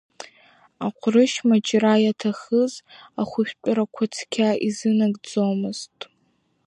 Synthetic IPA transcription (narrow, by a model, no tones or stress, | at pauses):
aqʷʰrɨʃmad͡ʒʼrajatʰaχəzaχʷʊʃᶣpʷʼʊɾakʷʰat͡sʰkʲʰaʔizɨnaɡʼd͡zowmɨztʼ